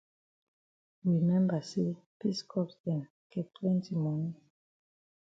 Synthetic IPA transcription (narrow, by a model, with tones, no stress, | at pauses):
ɹi˨mɛ̃˦mba˨se˦pi˦skʰɔ˦psdɛ̃˨n | kʰɛ˨tʰwɛ̃˦ntʰi˨mɔ˨ni˦